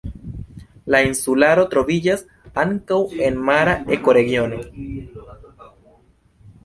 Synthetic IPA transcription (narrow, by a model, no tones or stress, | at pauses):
lainsulaɾo̞tɾo̞vid͡ʒas | aŋkawe̞nmaɾae̞ko̞ɾe̞ɡio̞no̞